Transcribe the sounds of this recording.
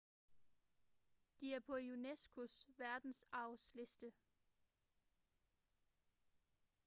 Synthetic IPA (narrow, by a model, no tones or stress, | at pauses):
d̥iæɐpʰɒ̽junesɡ̥ʰusʋæɐd̥n̩sɑ̈ʊsle̝sd̥ə